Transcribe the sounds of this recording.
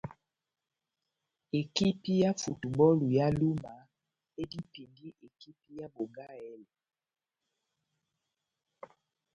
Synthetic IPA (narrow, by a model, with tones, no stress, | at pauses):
e˨ki˦pi˦ja˦fu˨tu˨bɔ˦lu˨ja˦lu˦ma˨ | e˦di˦pi˨ndi˦ʔe˨ki˦pi˦ja˦bo˨ɡa˦ɛ˦lɛ˨